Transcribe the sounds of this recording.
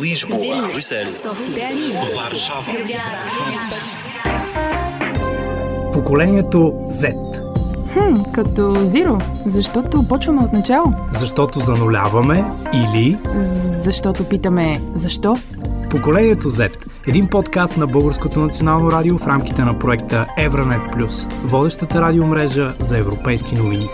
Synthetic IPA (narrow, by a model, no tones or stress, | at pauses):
pokolɛniɛt̪o | zɛt̪ | hm̩kɐt̪ɔziɾozɐʃt̪ɔt̪opɔt͡ʃvɐmɛot̪nɐt͡ʃalˠozɐʃt̪ɔt̪ozɐnolʲa̰vɐmɛili | zɐʃt̪ɔt̪opit̪əmɛzɐʃt̪ɔ | pokolɛniɛt̪ozɛt̪ | ɛd̪inpɔt̪kast̪nɐbɤlˠɡəɾskot̪onɐt̪sionalˠnoɾad̪iofɾamk̟i̥t̪ɛnɐpɾoɛkt̪əɛvɾɐnɛt̪̚plʲusvɔd̪ɛʃt̪ət̪əɾad̪iomɾɛʒəzɐɛvɾopɛjsk̟inovini